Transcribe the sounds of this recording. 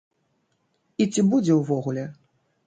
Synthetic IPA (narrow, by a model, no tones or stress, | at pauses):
it͡sʲibud͡zʲɛwvɔɣulʲɛ